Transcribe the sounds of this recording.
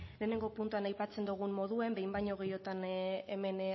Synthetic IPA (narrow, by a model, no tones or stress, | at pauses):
le̞ːne̞ŋɡo̞punt̪uanajpat͡se̞nd̪uɣ̞umːo̞ðue̞mbe̞jmbaɲo̞ɣ̞ejo̞t̪aneme̞n